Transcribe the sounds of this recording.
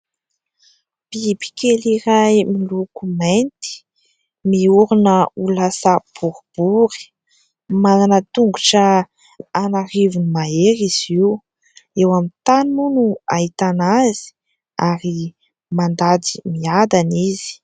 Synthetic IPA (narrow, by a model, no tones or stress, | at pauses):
b̥ibi̥kʲeliɾajmilukument̪i̥ | miuɾunəulasəb̥uɾb̥uɾi̥ | mananət̪uŋɡuʈ͡ʂə | anaɾivunimaeɾiz̥iw | ewamint̪animunuait̪anazi̥ | aɾi | mand̪ad̪i̥miad̪aniz̥i̥